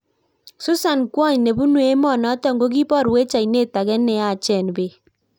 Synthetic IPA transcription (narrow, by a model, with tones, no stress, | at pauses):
sʊ˦sa˨nkwɔ˦˨ɲne˨bu˦nwe˦mɔ˦˨nɔ˨˦tɔ˦ŋɡo˦ɡi˦pɔ˦˨ɾwe˦t͡ʃa˨i˨ne˦˨ta˨ɡɛ˦nːɛ˨a˨t͡ʃɛ˦˨nbe˨